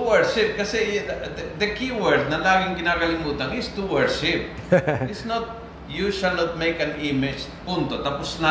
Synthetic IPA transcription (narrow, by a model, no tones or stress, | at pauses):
wɛɹʃɪp̚kɐsɛ | d̪ɐkiwɛɹd̪̚nɐlaːɡɪŋkɪnaːkɐlɪmuːt̪ɐnɪst̪uwɛɹʃɪp̚ | ɪsnot̪̚ | juʃalnot̪̚mejkɐnɪmɪd͡ʒpunt̪ot̪apʊsna